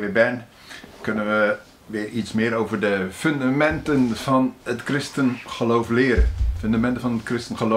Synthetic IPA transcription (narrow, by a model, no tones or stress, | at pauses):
ʋɪbɛn | kɵnənʋə | ʋɪːɹitsmɪːɾowvəɹdəfɵndamɛntənv̥ɑnətkrɪstənχəlowflɪːəɾənføndamɛntənvɑnətkrɪstənχəlo